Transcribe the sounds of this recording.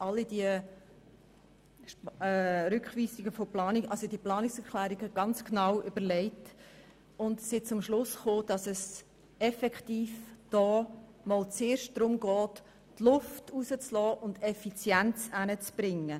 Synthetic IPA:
ʔɑlːidiə | ʃɛɾʏkχʋiːsɪɡəfoplɑːnikʔɑlsodiəplɑːnɪksɛɾklæːɾiɡəɡ̥ɑnt͡sknɑwʔʏb̥əɾlɛɪt | ʊndsɪt͡sʊmʃlʊsχoːd̥ɑsɛs | ɛfɛktiːfd̥ɔː | mɔlt͡seːɾʃt̚d̥ɾʊmɡɔːtː | lʊftusət͡slɔːʔʊndɛfit͡sjænt͡sænət͡sb̥ɾɪŋːə

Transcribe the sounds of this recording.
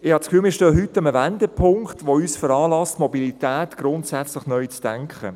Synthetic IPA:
ɪhɑt͡skfyːlmiːʃtøːɦytːəməvændɛpʰʊŋktʋoyːsfəɾɑːlɑstmɔbilitæːtɡ̥ɾʊntsæt͡slɪχnœʏt͡sd̥ɛŋkχə̰

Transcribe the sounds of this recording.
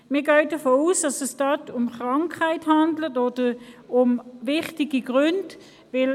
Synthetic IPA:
miːɐɡœʏdəfoːuːsd̥ɑsɛsd̥ɑtʰʊmχʁɑŋkʰhaɪthɑndlətoːd̥əʊmvɪχtiɡiɡʁʏnd | vɪl

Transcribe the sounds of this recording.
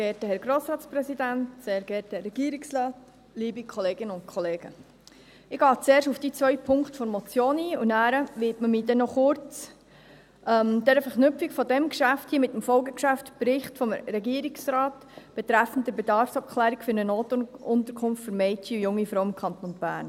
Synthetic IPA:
ɡɛːtəhɛɾɡɾoːsɾɑːtt͡spɾɛsidæntseːɾɡɛːtɛːɛɡ̥iəɾikslɑːt | liːbikʰχɔleːɡɪnəʊntkʰɔleːɡ̥ə | ɪɡ̥ɑːt͡seːɾʃufd̥it͡sʋœʏpʰʊŋkχtfɔɾmɔt͡sjoːniːunæːɾəʋɪtməmiːd̥ɛnɔχʊɾt͡s | ʔɛmd̥ɛɾəfəknʏpp͡fikfɔdɛmkʃæfthiːmɪtːəmfɔlɡəkʃæftpɾɪχtfɔmɾɛɡiəɾiksɾɑːt | b̥ɛt̪ɾæfən̩tdəbɛdɑɾfsɑp̚kʰlæːɾikfʏɾnənoːtʊnt̪əɾkʰʊnftfɵɾmɛɪtiujʊŋːifɾɔwɪmkʰɑnt̪ɔnb̥æːɾn

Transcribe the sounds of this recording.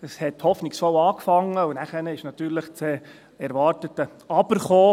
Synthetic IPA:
əshɛthɔfniksfɔwɑːkfɑŋːəʊnæχənəɪʃnɑt̪ːyːɾləχt͡se | ɛɾʋɑːɾtətːə | ɑb̥əɾχoː

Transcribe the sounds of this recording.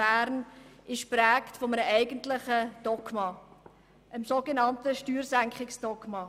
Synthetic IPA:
æːɾnɪʃprɛːktfɔmənəʔɛɪɡəntlɪχəd̥ɔkmɑ | ʔəmsoɡenɑntəʃtyːɾsæŋkχɪksd̥ɔɡmɑ

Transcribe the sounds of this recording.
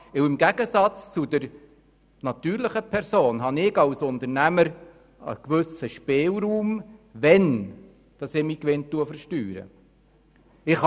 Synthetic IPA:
ɪwɪmɡæɡ̥əsɑt͡st͡sud̥̪əɾ | nɑt̪yːɾlɪχəpʰɛɾsoːnɦɑnɪɡɑwsʊnt̪əɾnæməɾ | ə̰kʋɵsəʃpeːlɾuːmvɛn | d̥ɑsɛːmiːkʋɪntːuəfəɾʃtyːɾə̰ | ɪχh

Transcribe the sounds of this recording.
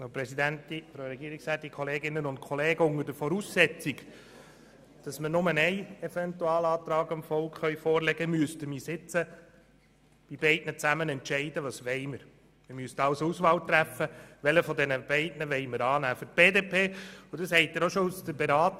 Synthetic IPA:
opɾɛsid̪æntifɾoɾɛɡ̥iːɾiksɛːt̪ikʰɔleːɡɪnːənʊnt̚kʰɔleːɡəʊŋːəɾdəfɔɾuːsːɛt͡siɡ | d̥ɑsməɾnʊmənɛɪɛvɛnt̪uɑːlɑːt̪ɾɑːɡɑmfɔlkχχœʏɥfɔːɾlɛɡ̥əmyəstəmisɪt͡sə | b̥ib̥ɛɪdnət͡sæmənɛntʃɛɪdəʋɑsʋɛɪməɾ | mɪmyəstɑwsusʋɑlt̪ɾæfːəʋɛləfɔdɛnəb̥ɛɪdnəʋɛɪməɾɑːnæːføɾt̚b̥eːdeːpʰeːudɑshɛɪtːəɾoʃɔusd̥̪əɾbɛɾɑːt

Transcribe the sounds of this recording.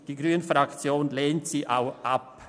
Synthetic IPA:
d̥iːɡɾyːənfɾakt͡sjoːnleːntsiːʔaʊʔap

